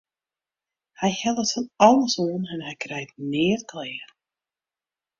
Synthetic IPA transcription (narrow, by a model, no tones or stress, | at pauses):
hajhɛlˠəsənɑlˠəsɔːnɛnhɛjkʰɾɛjt̚nɪːrkʰlɛː